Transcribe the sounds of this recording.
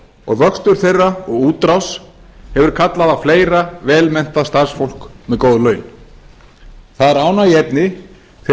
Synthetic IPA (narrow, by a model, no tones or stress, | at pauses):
ɔ̰ɣvœkst̪ʏɾ̥θejrːaɔɣuːt̪ɾawshɛvʏɾ̥kʰat̪laðafleːjɾavɛːlmɛn̥t̪aðst̪ar̥sfowl̥kmɛðkoːwðlœːɥn | θaðaɾaːwnaiɛpnɪ | θ